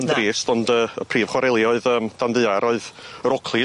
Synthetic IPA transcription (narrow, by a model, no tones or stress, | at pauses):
əndɾiːstɔndəəpʰriːv̥χwaɾɛlˠjɔɨðəːmd̥anðɨaɾɔɨðəɾɔkʰlˠi